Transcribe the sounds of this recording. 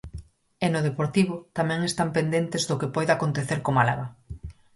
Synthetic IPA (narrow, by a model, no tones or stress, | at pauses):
enʊð̞epoɾt̪iβ̞ʊt̪amɛ̃ŋest̪ampend̪ent̪ezðʊkepɔjðakont̪eθeɾkomala̰βa